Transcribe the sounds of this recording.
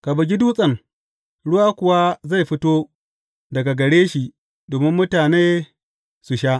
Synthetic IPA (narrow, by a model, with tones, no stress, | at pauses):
ka˨bɐ˨ɡʲɪ˦duː˦sʼɐ˦˨ŋ | ɽʊ˦waː˦kʷʊ˨wa˦za˦˨jɸɪ˦toː˦ | dɐ˨ɡa˨ɡɐ˨ɽeː˦ʃi˨ | doː˨mɪ˦mːʊ˦taː˨neː˦ | su˨ʃa˦ʔ